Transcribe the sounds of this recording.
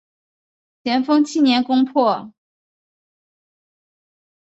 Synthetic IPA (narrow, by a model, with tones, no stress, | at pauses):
t͡ɕʰjɛ˧˥nfɤ˥ŋt͡ɕʰi˥˩njɛ˧˥nkʊ˥ŋpʰɔ˥˩